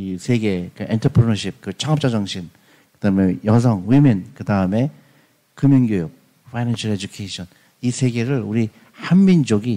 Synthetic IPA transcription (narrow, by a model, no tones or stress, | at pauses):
isʰe̞ɡe̞kɯentʰʌpʰɾinʌɾɕʰip̚kɯt͡ɕʰaŋʌp̚t͡ɕ͈ad͡ʑaŋɕʰin | kɯd̥aɯme̞jʌs̬ʰʌŋwiminkɯdaɯme̞ | kɯmjʌŋɡjojok̚ | fʰajnanɕʰaɾed͡ʑukʰeɕʰʌn | isʰe̞ɡe̞ɾɯɭuɾi | hanmind͡ʑoɡi